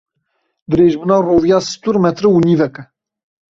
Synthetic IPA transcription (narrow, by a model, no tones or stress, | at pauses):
d̪ɨɾeːʒbɨnaːrovjaːsɨ̥t̪uɾmɛt̪ɾɨwunivɛkɛ